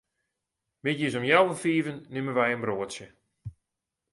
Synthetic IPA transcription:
mɪtjisɔmjawəfiːvənːɪməʋɛjənbroətsjə

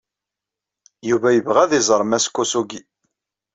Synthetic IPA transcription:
juvæjəvʁæðɪzˤɾˤmæskːusuɡi

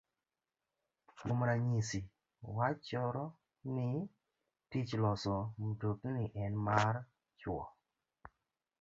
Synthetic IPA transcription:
momɾaɲisi | wat͡ʃɔɾɔ | nɪ | tit͡ʃlɔsɔmtoknɪʔɛnmar | t͡ʃwɔ̰

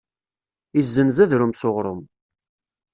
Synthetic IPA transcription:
izːənzæðɾʊmsoʁɾˤʊ̰m

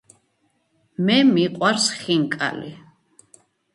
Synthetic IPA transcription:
mɛmiqʼwaɾsχiŋkʼa̰lḭ

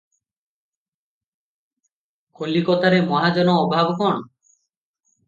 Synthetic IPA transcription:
kʰolikɔt̪aɾemɔɦad͡ʒɔnɔːbʱabɔkɔɳ

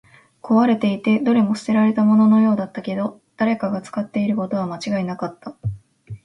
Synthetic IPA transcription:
kʰo̞βaɾe̞t̪e̞it̪e̞d̪o̞ɾemo̞st̪e̞ɾaɾe̞t̪amo̞no̞no̞jo̞ːd̪at̪ːake̞d̪o̞ | d̪̥aɾe̞kaɡat͡sɨ̥kat̪ːe̞iɾɯ̟ko̞t̪o̞β̞amat͡ɕiɡainakat̪ːa

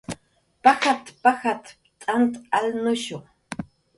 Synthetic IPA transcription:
paxat̪paxat̪pt̪ʼant̪alnʊʃo

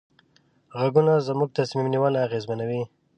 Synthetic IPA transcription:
ɣaɡunazəmuɡ̚t̪asmimniwalaɣezmanawi

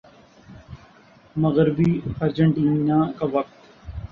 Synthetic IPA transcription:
məɣɾɪbiːaɾd͡ʒə̃ɳʈiːnãːkaʋɐk̚t̪

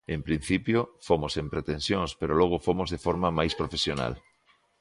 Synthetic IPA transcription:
empɾin̟θipjofomosempɾet̪ẽnsjõŋspeɾoloɣ̞ofomozðefoɾmamajspɾofesjona̰l

